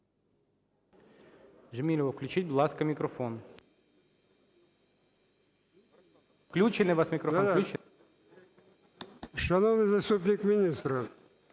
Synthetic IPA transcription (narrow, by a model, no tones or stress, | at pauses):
ʐɪmʲilʲɪʋəfklʲʉt͡ɕit̚ʲblˠaskɐmʲɪkɾofon | fklʲut͡ɕɪnɨjvasmʲɪkɾɔfklʲu | ʂɐnovnɨjzɐst̪upnʲɪkmʲɪnʲist̪ɾə